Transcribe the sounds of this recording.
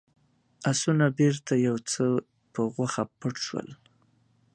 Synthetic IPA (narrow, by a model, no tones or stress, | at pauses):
asunabeɾt̪ajawt͡sə | pəɣwaxapəʈʃwə̰l